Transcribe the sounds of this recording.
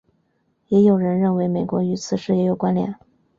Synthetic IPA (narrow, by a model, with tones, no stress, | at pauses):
jɛ˧˥jo˨˩ʊɻə˧˥nɻə˥˩nwe˧˥ɪme˨˩ɪkwɔ˧˥y˧˥t͡sʰɹ̩˨˩ʂɻ̩˥˩jɛ˧˥jo˨˩ʊkwa˥nljɛ̰˨˩˦n